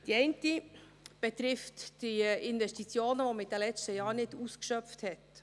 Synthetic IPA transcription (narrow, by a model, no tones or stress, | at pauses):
d̥iɛɪnti | b̥ɛtɾɪftd̥iɪnvɛstit͡sjoːnəvoməid̥ɛlɛt͡stəjɑːɾnɪduːskʃœpfthɛt